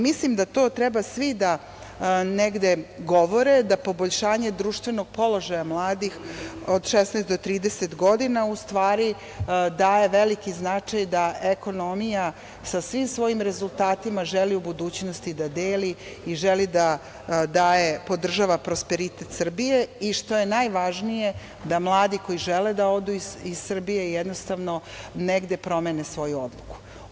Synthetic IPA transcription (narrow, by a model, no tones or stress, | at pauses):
mislimd̪at̪o̞ːt̪ɾɛbasʋid̪a | neɡd̪eɡoʋo̞ɾed̪apo̞boʎʃaːɲe̞d̪ɾuːʃt̪ʋeno̞ɡ̚po̞lo̞ʒajamlˠaːd̪ixod̪ʃesnɛːsd̪o̞t̪ɾiːd̪eset̪ɡo̞d̪inaust̪ʋaːɾi | d̪aːje̞ʋelikiznat͡ʂajd̪aʔeko̞no̞mija | sasʋimsʋo̞jimɾe̞zulˠt̪aːt̪imaʒeliubud̪uːt͡ɕnost̪id̪ad̪eːliiʒelid̪a | d̪aːjepo̞d̪r̩ʒaʋapɾo̞speɾit̪e̞t̪sr̩bije̞iʃt̪o̞je̞najʋaʒnije̞ | d̪amlˠaːd̪iko̞jiʒeled̪ao̞d̪uiissr̩bije̞jed̪nost̪aʋnoneɡd̪e̞pɾo̞menesʋo̞juod̪lˠuku̥